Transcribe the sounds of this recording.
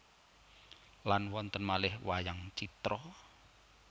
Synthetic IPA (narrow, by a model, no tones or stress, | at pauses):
lanwɔnt̪ənmalɪhwajaŋt͡ʃit̪ɾɔ